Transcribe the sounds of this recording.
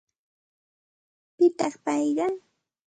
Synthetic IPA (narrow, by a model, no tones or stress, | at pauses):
pɪt̪ɑχpɑjɢɑ